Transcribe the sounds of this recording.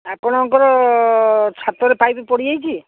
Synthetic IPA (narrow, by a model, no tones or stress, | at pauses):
apɔɽ̃ɔŋkɔɾɔ | t͡ʃʰat̪ɔɾepajbipɔɽiajt͡ʃʰi